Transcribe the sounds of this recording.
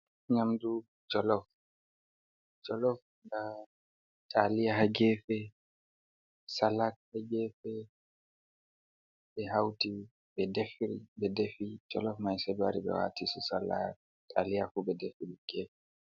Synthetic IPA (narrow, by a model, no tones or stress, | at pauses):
ɲamdu | d͡ʒɔlɔf | d͡ʒɔlɔf | da | tʰʼalijahaɡɛːfɛ | salat̚haɡɛːfɛ | bɛɦawti | bɛdefɾibɛdefid͡ʒɔlɔfmajsɛdwa̰ɾiɓɛ̰wa̰tisusala̰t | tʰalijafubɛdefiɾiɡ̥ɛːfɛ